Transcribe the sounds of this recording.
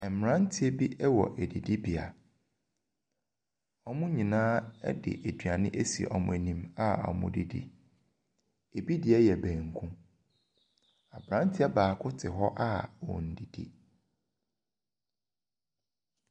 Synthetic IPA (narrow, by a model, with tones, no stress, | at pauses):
ɛ˨m̩˨ɾã˦n̩˦tʰɪ˦e˦bi˦ʔɛ˦wɔ̰˨ʔæ˨di˨di˦bi˨a̰˨ | ɔ˦mʊ̃˦ɲĩ˨nãː˦ɛ̰˦dɪ̰˨ʔe˨dɥa˨nɪ̰̃˦ʔe˦si˨ɛ̰˨ɔ˨mʊ̃˨e˨nĩ˦ma˦ɔ̰˨mʊ̰̃˨di˨dḭ˦ | e˨bi˦dɪ˨ɛ˦jɛ˨bæ̃ː˨ŋ˨kʰũ˦ | a˨bɾã˦n˦tʰɪ˦a˦baː˨kʰʊ˦tʰɪ˨ɦɔ˦ʔa˦wɔ̰˨n̩˨di˨dḭ˦